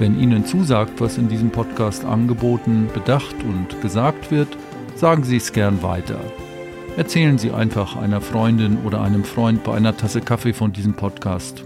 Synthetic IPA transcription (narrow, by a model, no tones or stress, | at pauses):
vɛnʔiːnənt͡suːzaːk̚tv̥asɪndiːzəmpʰɔtkʰaːstʔa̰nɡəboːtn̩b̥ədaχtʰʊntɡ̥əzaːk̚tv̥ɪɐt | z̥aːɡŋ̩ziːɛsɡ̥ɛɐnva̰ɪtʰɐ̰ | ʔɛɐt͡sɛːlənziːʔa̰ɪnfaχʔa̰ɪnɐfʁ̥ɔʏndɪnʔo̰ːɾɐʔaɪnəmfʁ̥ɔʏnt̚b̥aɪʔa̰ɪnɐtʰasəkʰafefɔndiːzəmpʰɔtkʰaːst